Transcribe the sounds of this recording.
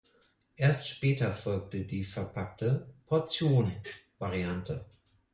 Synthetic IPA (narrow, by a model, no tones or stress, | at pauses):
ʔeːɐstʃpɛːtɐfɔlk̚tədiːfɛɐpʰak̚təpʰɔɐt͡sjoːnvaʁiantʰə